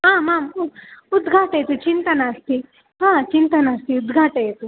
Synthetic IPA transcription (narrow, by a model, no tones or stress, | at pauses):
ɦaːmaːmud̪ɡʱaːʈɐjt̪ut͡ʃint̪ɐnaːst̪i | ɦãːt͡ʃint̪ɐnaːst̪iud̪ɡʱaːʈɐjt̪u